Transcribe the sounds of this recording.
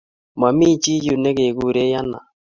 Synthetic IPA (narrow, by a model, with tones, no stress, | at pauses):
ma˨mi˦t͡ʃi˦ju˨nɛ˦ke˨ɡu˦˨ɾe˦ja˦na̰˨